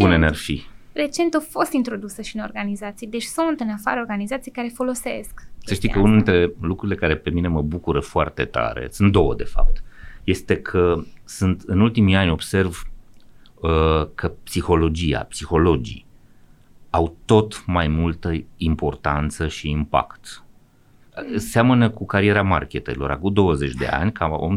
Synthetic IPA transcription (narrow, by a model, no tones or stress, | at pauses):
bunenarfire̞t͡ʃe̞nt̪ofo̞st̪int̪ɾo̞d̪usəʃiɨnorɡanizat̪sijd̪et͡ʃʲsunt̪ɨnafa̰ɾeorɡanizat̪sijkaɾe̞fo̞lo̞se̞̰sksəʃt̪ijkəunud̪int̪ɾe̞lukɾuɾile̞kaɾe̞pe̞mine̞məbukuɾəfoa̰rt̪e̞̰t̪a̰ɾḛsunt̪d̪o̞wəd̪e̞fa̰p̚t̪je̞st̪e̞kʰəsunt̪ɨnult̪imianʲo̞bse̞rv | əkʰəpsixo̞lo̞d͡ʒija̰psixo̞lo̞d͡ʒḭ | awt̪o̞t̪majmult̪əimpo̞rt̪ant̪səʃiːmpa̰kt̪ | seamənəkukaɾie̞ɾama̰rkʲet̪eilo̞ɾa̰kud̪o̞wəze̞t͡ʃʲd̪e̞̰a̰nʲkʰao̰m